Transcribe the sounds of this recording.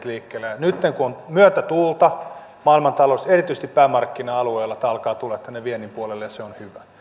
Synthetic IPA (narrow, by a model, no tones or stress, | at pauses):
t̪liːkːeːlːæɑnyt̪ːeŋkuonmyøt̪æt̪ult̪ɑ | mɑːilmɑnt̪ɑloˑserit̪yist̪ippæːmɑrkːinɑɑlueːlːɑt̪ɑlkɑːt̪ulːɑet̪ːæneʋienimpuolelːejɑseonhyʋæ